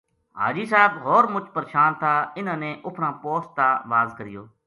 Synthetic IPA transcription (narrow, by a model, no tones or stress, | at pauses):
ɦa̰ːd͡ʒiːsaːɪbɦoːɾmʊt͡ʃpəɾʃaːnt̪ʰaːɪnãːnẽːʔʊpʰɾãːpoːst̪aːʋaːzkəɾɪjoː